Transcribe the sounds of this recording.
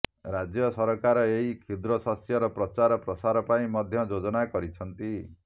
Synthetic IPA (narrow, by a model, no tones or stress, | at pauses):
ɾad͡ʒjɔsɔɾɔkaɾɔeɦikʰid̪ɾɔsasjɔɾɔpɾɔt͡ʃaɾɔpɾɔsaɾɔpaĩmɔd̪ʱjɔd͡ʒod͡ʒɔnakɔɾit͡ʃʰɔnt̪i